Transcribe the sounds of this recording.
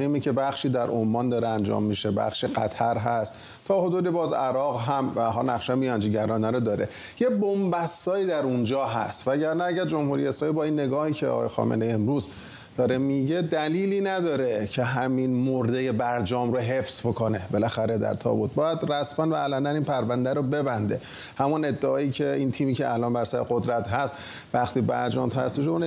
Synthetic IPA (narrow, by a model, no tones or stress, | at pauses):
iːmiːcʰe̞bæχʃiːd̪æɾʔomːɒːnd̪ɒːɾeænd͡ʒɒ̰ːmːiʃe̞bæ̰χʃiɢæt̪ʰæɾɦæst̪ʰː | ɒːho̞d̪uːd̪ibɒːzæɾɒːɣɦæmvæɦɒːlnæχʃæmijɒnd͡ʒiːɟæɾɒːnæɾod̪ɒːɾe̞̰ | jebombæsːɒːjiːd̪æɾund͡ʒɒːɦæ̰st̪væɟæɾnæːɟæɾd͡ʒo̞mhuɾiːesɾɒːmiːbɒːinːe̞ɡɒːhiːcʰeɒ̰ɣ̰ːjexɒ̰ːmenejemɾuːz | d̪̥ɒːɾemiɟe̞d̪æliːliːnæd̪ɒːɾe̞cʰeɦæminmoɾd̪eje̞bæɾd͡ʒɒːmɾoɦe̞fsbo̞kʰone̞belæxæɾed̪æ̰ɾt̪ʰɒ̰ːbut̪̚bɒːjæd̪ræsmænbæʔːlænd̪æniːnpʰæɾvænd̪æɾobe̞bænd̪e̞̰ | hæmune̞d̪ːeɒːiːcʰe̞iːnt̪ʰiːmiːcʰeælɒːnbæɾsæɾḛɡod̪ɾæt̪ɦæst̪ | væxt̪iːbæ̰ɾd͡ʒɒːmt̪ʰæ̰st̪iʃoun